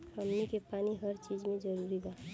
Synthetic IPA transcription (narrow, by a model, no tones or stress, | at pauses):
pʰəmnikepaːniɦəɾt͡ʃid͡ʒmẽd͡ʒəɾuɾiba